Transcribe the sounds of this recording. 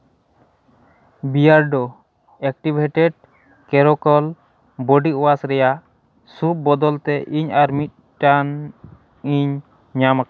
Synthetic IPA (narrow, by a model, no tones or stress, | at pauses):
bijaɾɖ̪ɔ | ɛk̚ʈibʱɛʈɛɖ̚ | kɛɾɔkɔl | bɔɖiʔɔwasɾɛjaʔ | sup̚bɔd̪ɔlt̪ɛʔiɲaɾmit̪̚ | ʈan | iɲ | ɲamaka